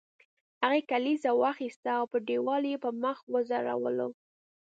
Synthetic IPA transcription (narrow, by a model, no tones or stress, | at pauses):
haɣekalizawaxist̪aːwpəɖewɑljepəməxwəzɑɾa̰wə̰lo